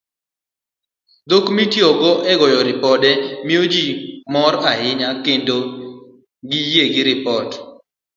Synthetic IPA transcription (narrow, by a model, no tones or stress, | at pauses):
d̪okmitjɔɡɔʔɛɡɔjɔɾɪpɔdɛmiod͡ʒimɔɾahɪɲakendo | ɡijeɡɪɾɪpɔt